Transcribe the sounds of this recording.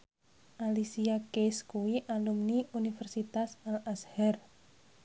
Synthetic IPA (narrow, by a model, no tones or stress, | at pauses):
ʔalisiakeskuwiʔalumniunifɛrsit̪asalʔashɛr